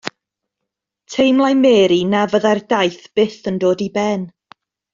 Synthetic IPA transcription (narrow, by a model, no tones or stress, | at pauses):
tʰejmlˠajmɛːɾinavəðardajθb̥ɪθəndoːdibɛn